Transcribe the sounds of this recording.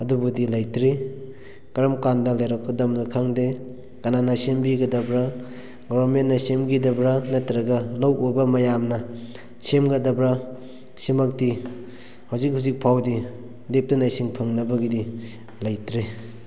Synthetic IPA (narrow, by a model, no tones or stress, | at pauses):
ɐdubudilajtɾi | kɾɐmkandɐlajɾɔkkɐdɐmnakʰaŋde | kananasembiɡɐdɐbɾa | ɡɔbɐɾmenːɐsemɡidɐbɾanɐtɾɐɡɐlawobɐmɐjamnɐ | semɡɐdɐbɾa | simak̚ti | hawzik̚hauwzik̚pʰawdi | dep̚tunajsiŋpʰɐŋnɐbɐɡidi | lajtɾe